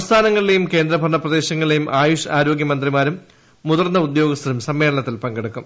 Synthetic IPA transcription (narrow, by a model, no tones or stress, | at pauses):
ɐmst̪ʰaːnɐŋːɐɭile̞jumke̞ːnd̪rɐbʱɐrɳɐprɐd̪e̞ːɕɐŋːɐɭilejumʔaːjoːʂɐaːɾo̞ːɡjɐmɐnd̪rimaːɾumː | uðɐrnːɐud̪jo̞ːɡɐst̪ːɐɾumsɐmːe̞ːɭɐɳɐt̪ːilpɐŋɡeɽukːum